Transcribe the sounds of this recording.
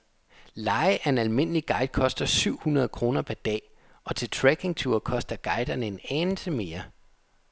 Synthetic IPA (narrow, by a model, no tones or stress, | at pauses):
lɑ̈ɪʔæɐe̝nælme̝n̰əliɡ̥ɑ̈ɪd̥̚kʰɒ̽sd̥ɐsyʊ̰hunɐð̞ˠkʰʁo̝ːnɐpʰæɐd̥ɛ̰ː | ʔɒ̽t͡sʰe̝lt͡sʰʁæɡ̥e̝ŋt͡sʰuɐkʰɒ̽sd̥ɐɡ̥ɑ̈ɪd̥ɐnəe̝nɛnn̩t͡sʰe̝lme̝ːɐ